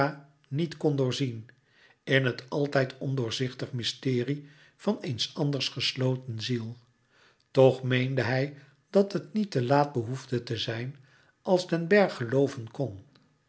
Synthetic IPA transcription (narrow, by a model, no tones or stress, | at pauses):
a | nitkɔndʊːɹzin | ɪnɦətɑlˠtɛjtɔndʊːɹzɪχtəχmɪstɪːri | v̥ɑnejnsɑndəɹsχəslowtənzilˠ | tɔχmejndəɦɛj | d̥ɑtɦətnitəlaːd̚bəɦuvdətəzɛjn | ʔɑlˠzdɛnbɛɹχəlowvənkɔn